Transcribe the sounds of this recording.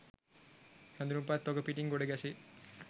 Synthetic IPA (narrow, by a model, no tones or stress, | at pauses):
hãnd̪uɾumpat̪ːoɡəpiʈiŋɡoɽeɡɛsi